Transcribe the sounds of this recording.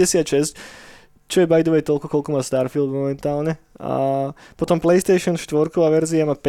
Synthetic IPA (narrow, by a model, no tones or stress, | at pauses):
ɛsɪat̪ʃɛsc | t͡ʃɔjɛbajd̪ɔʋɛjt̪ɔlkɔkɔlkɔmaːst̪aːɾfilˠd̪mɔmɛnt̪aːlɲɛa̰pɔt̪ɔmplɛjst̪ɛjʃɔnʃt̪ʋɔɾkɔʋaʋɛɾziamapɛ